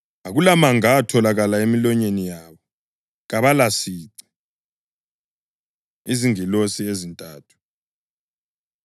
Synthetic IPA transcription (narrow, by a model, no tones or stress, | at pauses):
aɣulamaŋatʰɔlaɣalaemilɔɲenijaːβɔ | ɣaβalasiǀi̥ | iziŋilosiezintʼaːtʰu̥